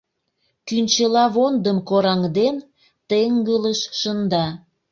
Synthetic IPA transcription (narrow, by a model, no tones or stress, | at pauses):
kynt͡ɕəlɑβond̪əmkoɾɑŋd̪en | t̪eŋɡələʃːənd̪ɑ